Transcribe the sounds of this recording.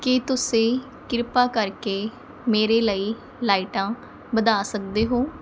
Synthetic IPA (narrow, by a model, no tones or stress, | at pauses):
kɪt̪ʊsẽː | kɪɾpaːkəɾkeː | meːɾeːləiː | laːiʈãː | bəd̪aːsək̚d̪eːɦoː